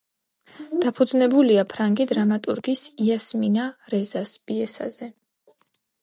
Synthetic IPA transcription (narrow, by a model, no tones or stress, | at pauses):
d̪̥apʰud̪znɛbuliapʰɾaŋɡid̪ɾamat̪ʼuɾɡisiasminaɾɛzasb̥iɛsa̰zɛ